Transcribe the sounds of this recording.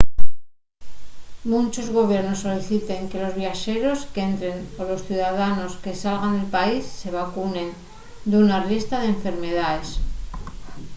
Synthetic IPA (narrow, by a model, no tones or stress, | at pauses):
mũnt͡ʃo̞zɣo̞β̞je̞ɾno̞sːo̞liθit̪e̞ŋke̞lo̞zβjaʃe̞ɾo̞ske̞nt̪ɾe̞nolo̞sθjuðaðano̞ske̞salɣand̪e̞lpaisːe̞β̞akunẽ̞n | d̪unarist̪aðeɱfe̞ɾme̞ðaes